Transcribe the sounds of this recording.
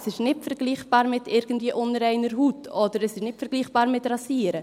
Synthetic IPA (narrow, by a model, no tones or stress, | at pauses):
sɪʃnɪtfəɾɡliːχb̥ɑːɾmɪtɪɾɡn̩tviːəʔʊnəɾɛɪnəɾɦuːtʰɔdəɾɛsɪʃnɪtfəɾɡliːχb̥ɑːɾmɪtrɑsiːəɾə